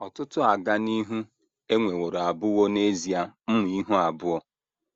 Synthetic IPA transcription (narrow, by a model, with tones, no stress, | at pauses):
ɔ˨tʊ˦tʊ˦a˨ɡa˦ni˦ɦu˦ | e˦ŋʷe˨wo˨ɾa˨bʊ˦wɔ˦ne˦zi˨a˦m̩˦mʊ˨i˦ɦu˦a˨bʊ˦ɔ˦